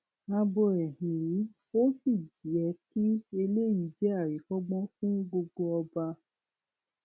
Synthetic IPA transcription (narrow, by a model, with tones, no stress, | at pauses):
a˧bɔ˧ɛ˨hĩ˨i˨˦ | o˦si˦˨d͡ʒi˨˦ɛ˨˧ki˦e˧le˦i˨˦d͡ʒɛ˦a˦˨ɾi˨˦fɔ˦ɡ͡bɔ̃˦fũ˦ɡ͡bo˧ɡo˧ɔ˧ba˧